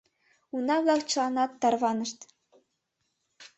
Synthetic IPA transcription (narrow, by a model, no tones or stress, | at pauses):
unɑβlˠɑχt͡ɕɤlˠɑnɑt̪ːɑrβɑnɤ̆ʃt̪